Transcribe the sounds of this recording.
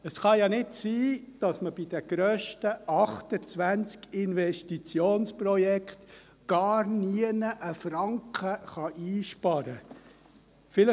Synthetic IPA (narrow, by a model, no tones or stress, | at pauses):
əsχɑjɑnɪtsiːd̥ɑsməb̥id̥̪ɛɡ̥ɾœːʃtəʔɑχt̪ət͡sʋænt͡skɪnvɛʃtit͡sjoːnsprɔjɛkχt | ɡ̥ɑːɾniənəʔəfɾɑŋkʰəχɑʔiːʃpɑɾə | fɪlə